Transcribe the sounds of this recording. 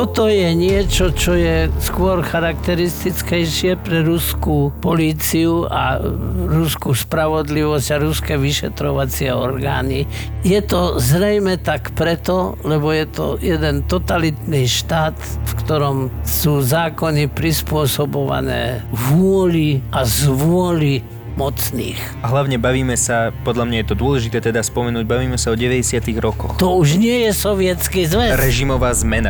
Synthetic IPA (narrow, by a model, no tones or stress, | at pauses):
t̪ɔt̪ɔjɛɲɪɛt͡ʃɔt͡ʃɔjɛskʊɔɾxaɾakt̪ɛɾist̪it͡skɛjʃɪɛpɾɛɾuskupɔliːt͡siuʔa̰ɾuskuspɾaʋɔd̪liʋɔscaɾuskɛʋiʃɛt̪ɾɔʋat͡sɪɛɔɾɡa̰ːni | jɛt̪ɔzɾɛjmɛt̪akpɾɛt̪ɔlɛbɔjɛt̪ɔ̰jɛd̪ɛnt̪ɔt̪alit̪niʃt̪aːt̪fkt̪ɔɾɔmsuːzaːkɔnipɾispʊɔsɔbɔʋa̰nɛ̰ːʋʊɔliʔazʋʊɔli | mɔt͡snḭːx | aɦlaʊɲɛbaʋiːmɛsapɔd̪ʎamɲajɛt̪ɔd̪ʊɔlɛʒit̪ɛːt̪ɛd̪aspɔmɛnuːɟ̚baʋiːmɛsaɔɟɛʋɛɟɛsɪat̪iɣɾɔkɔ̰xt̪ɔuʒɲɪɛjɛsɔʋɪɛt͡skizʋɛɾɛʒimɔʋaːzmɛna̰